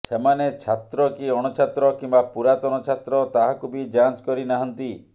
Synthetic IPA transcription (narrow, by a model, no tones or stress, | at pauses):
semanet͡ʃʰat̪ɾɔkiɔɽ̃ɔt͡ʃʰat̪ɾɔkimbapuɾat̪ɔñɔt͡ʃʰat̪ɾɔt̪aɦakubid͡ʒant͡ʃkɔɾinaɦɔnt̪i